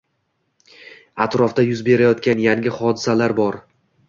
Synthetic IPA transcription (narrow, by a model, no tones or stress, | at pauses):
at̪ɾɒfd̪ajʊzbe̞ɾajɒt̪kʲanjaŋʲɪχɒd̪ɪsalaɾbɒɾ